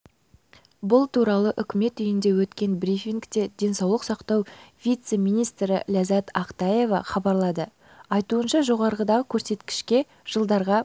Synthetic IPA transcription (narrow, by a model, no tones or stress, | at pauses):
bʊlˠt̪ʰuɾɑlˠəʔʏkʲɪme̞t̪ʏjɪnd̪e̞wɵt̪kʲe̞nbɾifʲiŋkt̪e̞d̪ʲe̞nsɑwlˠəqsɑqt̪ɑwvʲijt̪se̞mijnijst̪ɾɪ̰lʲazat̪ɑqt̪ɑje̞vɑ̰χɑbɑɾlˠɑd̪ə | ɑjt̪uənʃɑʒo̞ʁɑɾʁəd̪ɑʁəkʲʰɵɾse̞t̪kʲɪ̥ʃkʲe̞ | ʒ̥əlˠd̪ɑɾʁɑ